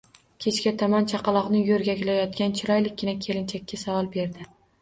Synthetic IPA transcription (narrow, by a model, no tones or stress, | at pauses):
kʲʰe̞t͡ʃkʲat̪ʰɒmant͡ʃʰɑqɑlˠɒqnɪjɵɾɡʲakʲɪlajɒt̪̚kʲant͡ʃʰɪɾɒjlɪkʲɡɪnakʲʰe̞lɪnt͡ʃʰakʲːasavɒlˠbe̞ɾd̪ɪ